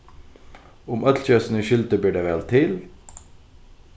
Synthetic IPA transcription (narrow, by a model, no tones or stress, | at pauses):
ʊmœt̪ʰlçœsnəʃʏlt̪əbyːɖeːʋɛlt̪ʰɪl